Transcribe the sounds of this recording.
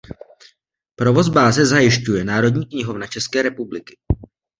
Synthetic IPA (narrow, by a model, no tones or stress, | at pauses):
pɾo̞vo̞zbaːzɛzajɪʃcujɛnaːɾo̞dɲiːkɲɪɦo̞vnat͡ʃɛskɛːɾɛpublɪkɪ̥